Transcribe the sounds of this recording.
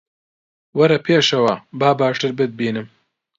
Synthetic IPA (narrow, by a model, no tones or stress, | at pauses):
wɐɾɐpʰeːʃɐwabaːbaːʂʈɨɾbɨd̪̚biːnɨm